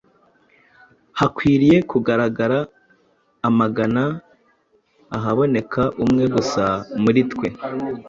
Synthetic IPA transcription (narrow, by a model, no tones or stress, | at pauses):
hakwiːɾije̞kuɡaɾaɡaɾaː | maɡana | ɦaβo̞ne̞kʰaʔumŋe̞ɡusamuɾitkwe̞